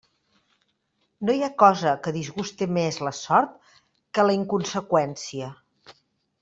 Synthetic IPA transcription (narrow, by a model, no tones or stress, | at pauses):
nojakɔzəkəðizɣust̪emezləsɔɾt̪̚ | kələiŋkunsəkwɛnsiə